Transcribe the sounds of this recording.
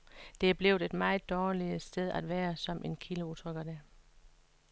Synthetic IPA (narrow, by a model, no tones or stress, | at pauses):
d̥e̝æb̥le̝ʊdˠe̝d̥mɑ̈ɪð̩ˠd̥ɒːliəsd̥eð̞ˠæd̥ʋæːɐsɒ̽mʔe̝nkʰiləut͡sʰʁœɡ̥ɐd̥æ